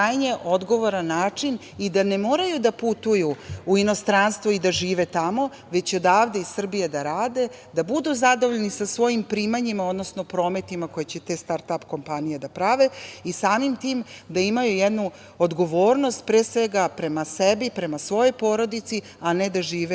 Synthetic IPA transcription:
ajɲeʔo̞d̪ɡo̞ʋo̞ɾanːaːt͡ʂin | id̪ane̞mo̞ːɾajud̪aput̪ujuuino̞st̪ɾanst̪ʋoid̪aʒiːʋe̞t̪amo̞ | ʋe̞t͡ɕo̞d̪aːʋd̪eisr̩bijed̪aɾaːd̪e̞ | d̪abud̪uzad̪oʋoʎnisasʋo̞jimpɾiːmaɲimaod̪nosnopɾo̞ːme̞t̪imako̞jet͡ɕet̪eːst̪aɾt̪apko̞mpanijed̪apɾaʋe̞isaːmimt̪iːmd̪aimajujed̪nu | od̪ɡo̞ʋo̞ːɾno̞st̪̚pɾeːsʋe̞ɡapɾe̞masebipɾe̞masʋo̞jo̞jpo̞ːɾo̞d̪it̪si | aned̪aʒiːʋe

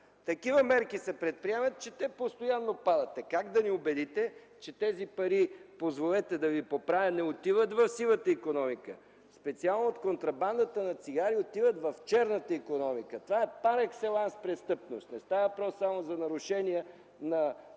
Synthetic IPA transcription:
t̪ɐkivəmɛɾkisɐpɾɛt̪̚pɾiɛmət̪̚t͡ʃɛt̪ɛpost̪ojanːopad̪ɐt̪ɛkaɡd̪ɐniobɛd̪it̪ɛ | t͡ʃɛt̪ɛzipɐɾipozvolɛt̪ɛd̪ɐvipopɾavʲənɛot̪ivət̪vɐfsilˠət̪əikonɔmikə | spɛt̪sialˠnoot̪kont̪ɾɐband̪ət̪ənɐt̪siɡaɾiot̪ivət̪vɐft͡ʃɛɾnət̪əikonɔmikət̪ovaɛpaɾɛksɛlˠanspɾɛst̪ɤpnost̪nɛst̪avəpɾɔsːamozɐnɐɾʊʃɛniɛ | nɐ

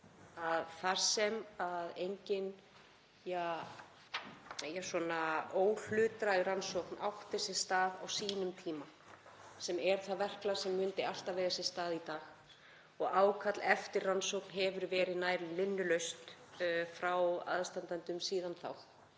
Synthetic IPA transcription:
aðθaɾ̥sɛmaðejɲcɪn | ja | jaswɔnaoːwl̥ʏːt̪ɾaransɔwkna̰wht̪ɪ̥sɛ̥st̪aːðawsiːnʏmt̪ʰiːma | sɛmɛɾ̥θaðvɛr̥klḁsɛmːʏnt̪ɪal̥t̪aveːjɣasɛ̥st̪aːðit̪aːx | ɔɣaːwkʰat̪lɛft̪ɪrransowknɦɛvʏɾvɛːɾɪðnaːjɾlɪmɪnːʏlœɥst̪fɾawa̰ðst̪ant̪ant̪ʏmsiːðanθa̰w

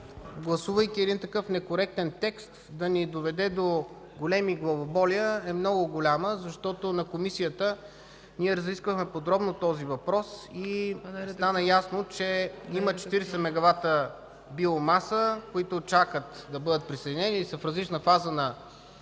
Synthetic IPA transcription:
ɡlˠɐsuvəjkʲiɛd̪int̪ɐkɤfnɛkoɾɛk̚t̪ɛnt̪ɛkst̪d̪ɐnid̪ovɛd̪ɛd̪o | ɡolɛmiɡlˠɐvobɔlijəɛmnɔɡʊɡolʲaməzɐʃt̪ɔt̪onɐkomisijət̪ə | niɛɾɐziskvəxmɛpod̪ɾɔbnot̪ɔzivɐpɾɔsistt̪anəjasnot͡ʃɛimət͡ʃɛ̥t̪iɾɛsɛmɛɡɐvat̪ə | biomasəkoit̪ʊt͡ʃakət̪d̪ɐbɤd̪ət̪̚pɾisɛd̪inɛnisəfɾɐzlit͡ʃnəfazənɐ

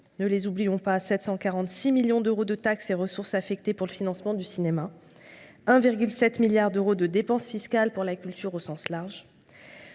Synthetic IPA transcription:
nəlezublijɔ̃pasɛt̪sɑ̃kaʁɑ̃t̪similjɔ̃d̪øʁod̪ət̪akseʁəsuʁsafɛkt̪epuʁləfinɑ̃smɑ̃d̪ysinema | ɛ̃viʁɡʲylsɛt̪miljaʁd̪øʁod̪əd̪epɑ̃sfiskalpuʁlakʲylt̪ʰyʁosɑ̃slaʁʒ

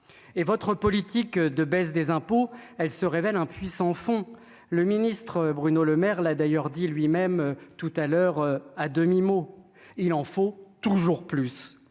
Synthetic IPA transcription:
evɔt̪χəpɔlit̪ikd̪əbɛsd̪ezɛ̃poɛlsəʁevɛlɛ̃pɥisɑ̃fɔ̃ | ləminist̪χəbʁynoləmɛʁlad̪ajœʁd̪ilɥimɛmt̪ut̪alœʁad̪əmimo | ilɑ̃fot̪uʒuʁplys

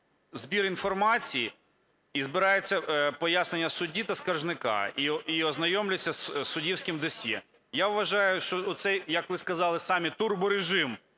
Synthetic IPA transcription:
zbʲiɾinfɔrmɑt͡sʲiji | izbɪɾɑjet͡sʲːɐpɔjasnenʲːɐsʊdʲit̪ɐskɐrʒnɪkɑ̰iiɔznɐjɔmlʲʊjt͡sʲːɐssʊdʲiwsʲkɪmd̪ɔsʲjɛ | jaʋʋɐʒɑjʊʃt͡ʃɔʊt̪sɛjjɐkʋɪskɐzɑlˠɪsɑmʲit̪urbʊɾeʒɪm

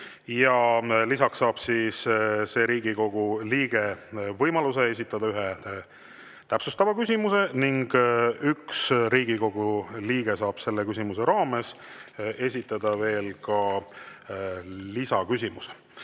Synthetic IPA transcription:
jɑlisɑksːɑːb̥sisse̞ːɾiːɡ̥iko̞ɡ̥uliːɡ̥e̞vɤjmɑluse̞e̞sit̪ːˑɑd̪̥ɑyɦe | t̪æpsust̪ɑvɑkysʲimuse̞niŋɡ̥yksɾiːɡ̥iko̞ɡ̥uliːɡe̞sɑːb̥se̞lːekysʲimuse̞ɾɑːme̞s | e̞s̬ʲit̪ːˑɑd̪̥ɑve̞ːlkɑ | lisɑkysʲimuse̥

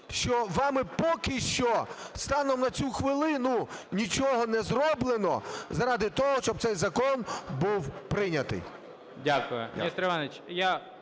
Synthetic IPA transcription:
ʃt͡ʃɔʋɑmɪpɔkɪʃt͡ʃɔst̪ɑnɔmnɐt͡sʲuxʋɪlˠɪnʊnʲit͡ʃɔɦɔnɛzrɔblˠenɔ̰zɐɾɑd̪ɪt̪ɔɦɔʃt͡ʃɔb̚tsɛjzɐkɔnbuwpɾɪnʲɐt̪ɪ̰j | dʲakʊjʊmist̪ɾɪʋɑnʲt͡ʃja

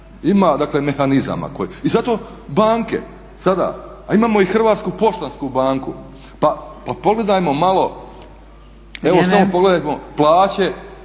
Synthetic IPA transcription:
imaːd̪akleme̞xaniza̰ma̰koizat̪o̞ | baːŋke̞̰ | sad̪a̰aimaːmo̞ixr̩ʋaːt̪skupo̞ʃt̪anskubaːŋku | papapo̞ɡle̞d̪ajmo̞malˠo̞ | eʋosamopoɡle̞d̪ajmoplˠaːt͡ɕe̞

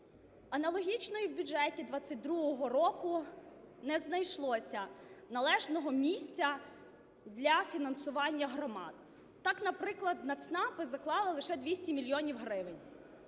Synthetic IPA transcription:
ɐnɐlˠɔɦʲit͡ʃnɔjiwbʲudd͡ʒɛtʲid̪ʋɑt͡sʲːɐt̚ʲd̪ɾuɦɔɦɔɾɔkʊnɛznɐjʃlˠɔsʲɐnɐlˠɛʒnɔɦɔmʲisʲt͡sʲɐ | d̪lʲɐfʲinɐnsʊʋɑnʲːɐɦɾɔmɑ̰d̪̚ | t̪ɑknɐpɾɪklˠɐd̪nɐt̪snɑpɪzɐklˠɑlˠɪlˠɪʃɛd̪ʋʲisʲtʲimʲilʲjɔnʲiwɦɾɪʋɪnʲ

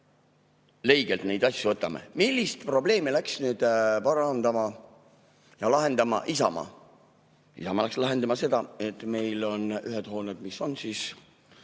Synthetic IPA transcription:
le̞jɡ̥e̞lt̪nejd̪̥ɑsʲjuvɤt̪ːˑɑme̞̰milʲːist̪pro̞ble̞ːmilæksnyːd̪̥pɑɾɑnd̪̥ɑmɑ | jɑlɑɦe̞nd̪̥ɑmɑ̰ʔisɑ̰mɑ̰ | ḭsɑmɑlækslɑɦe̞nd̪ɑmɑse̞d̪̥ɑe̞t̪ːˑme̞jlo̞nyɦed̪̥ho̞ːned̪miso̞nsiːs

